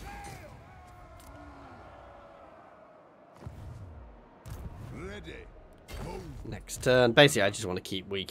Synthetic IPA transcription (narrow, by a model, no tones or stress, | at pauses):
ɛde | nɛkstʰɜːnbeɪsɪklaɪd͡ʒʌswɑ̃ntʰəkʰiˑpwiˑk